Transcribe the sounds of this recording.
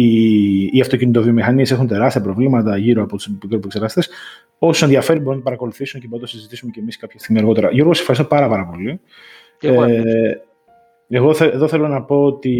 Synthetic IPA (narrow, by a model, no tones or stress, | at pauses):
iːɐft̪ocinit̪̬o̞vio̞mixɐnie̞se̞xunt̪e̞ɾɐst̪iɐpɾo̞vlimɐt̪ɐʝiɾoɐpo̞t̪u̥spikɾopuekseɾɣɐst̪es | o̞suse̞nðiɐfe̞ɾinbounɐpɐɾɐko̞luθisuncebount̪osizit̪isumecemiskɐpçɐst̪iɣmiɐɾɣo̞t̪e̞ɾɐʝo̞ɾɣosefxɐɾist̪opɐɾɐpɐɾɐpo̞li | eɣoθeeðoθelo̞nɐpo̞ot̪i